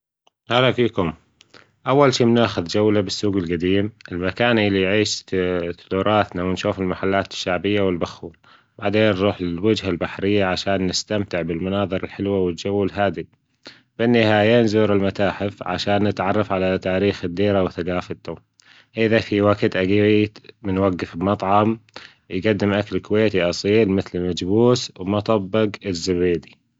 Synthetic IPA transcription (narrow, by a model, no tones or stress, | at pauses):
ʔalafiːkʊm | ʔawːalʃiːmnaːxʊðd͡ʒawlabɪsːuːɡɪlɡad̪iːmʔɪlmakaːnʔɪlːijʕiːʃθd̪uːɾˤɑːt̪nawɪnʃuːfɪlmaħalːaːt̪ɪ̥ʃːaʕbɪjːawɪlbaxuːl | b̥aʕd̪eːnːɾˤuːħwɪd͡ʒɦalbaħɾɪjːaʕaʃaːnːɪst̪amt̪ɪʕbɪlmʊnɑːðˤɨɾɪlħɪlwawɪd͡ʒawːalɦaːd̪i | b̥ɪnːɪhaːjeːnzuːɾɪlmat̪aːħɪfʕa̰ʃaːnːɪt̪ʕɑrˤːɑfʕalat̪aːɾiːxɪd̪ːiːɾawθaɡaːfat̪ːa | ʔɪðafiwaɡt̪ʔaɡiːwimɪnwaɡːɪfɪlmɑt̪ˤʕɑm | jɡad̪ːɪmʔaklkʊweːt̪iʔɑsˤiːlmɪθlɪmad͡ʒbuːswmɑt̪ˤɑbːɪɡɪzːabeːd̪i